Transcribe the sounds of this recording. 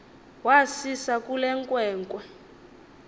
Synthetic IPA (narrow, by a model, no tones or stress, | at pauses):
wasisakʼulɛŋkʼwɛːŋkʼwɛ